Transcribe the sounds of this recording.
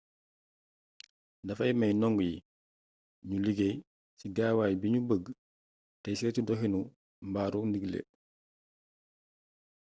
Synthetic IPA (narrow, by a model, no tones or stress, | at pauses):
ndɐfɐjmɛjnɔŋɡuji | ɲuliɡej | siɡaːwaːjbiɲubəɡ | tɛjsietudɔɦinu | mbaːɾundiɡlḛ